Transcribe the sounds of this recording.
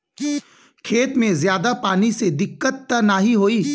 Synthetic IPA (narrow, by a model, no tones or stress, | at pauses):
kʰeːt̪mẽzjaːd̪apaːnised̪ɪkːət̪ːɐnaɦiɦoːiː